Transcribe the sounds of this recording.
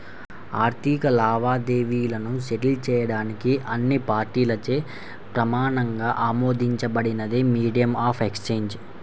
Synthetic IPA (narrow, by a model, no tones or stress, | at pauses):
aːɾt̪ʰikɐlaːʋaːd̪eːʋijulɐnuʃeʈilt͡ʃɛːjɐɽaːnikiʔɐnːipaːɾʈiːlɐt͡ʃeː | pɾɐmaːɳɐŋɡaːʔaːmoːd̪ʱiɲt͡ʃɐbɐɽinɐd̪imiːɖijɐmaːpʰekst͡ʃe̞ːɲd͡ʒ